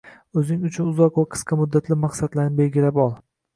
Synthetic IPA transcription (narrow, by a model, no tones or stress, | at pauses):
ɵzɪŋʊt͡ʃʰʊnʊzɒqvaqʰɨ̥sqʰɑmʊd̪ːat̪ʰlɪmaqsad̪laɾnɪbe̞lɡʲɪlapɒlˠ